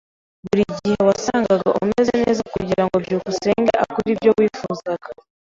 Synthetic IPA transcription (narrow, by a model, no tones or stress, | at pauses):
βuɾiɟihe̞wasaːŋɡaɡaʔuume̞zeneːzakuɟiɾaŋɡobɟuːkuse̞ːŋɡeʔa̰kuɾibjo̞wiːfuːzaɡ̥a